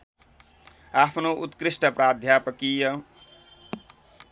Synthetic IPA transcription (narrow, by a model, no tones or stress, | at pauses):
apʰnoʔut̪kɾisʈʌpraːd̪ʱjapʌkijʌ